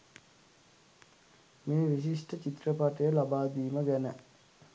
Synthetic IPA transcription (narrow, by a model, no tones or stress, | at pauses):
meːʋisisʈət͡ʃit̪rəpaʈəjəlabaːd̪iːməɡænə̰